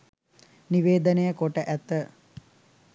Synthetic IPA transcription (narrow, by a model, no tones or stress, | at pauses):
niʋeːd̪ənejəkoʈəʔæt̪ə